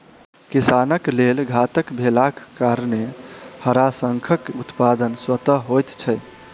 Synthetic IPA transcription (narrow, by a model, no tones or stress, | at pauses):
kisanəklelɡʱat̪əkbʱelakkːaɾnehəɾasəŋkʰəkut̪pad̪ənswət̪əɦojt̪t͡ʃʰɛj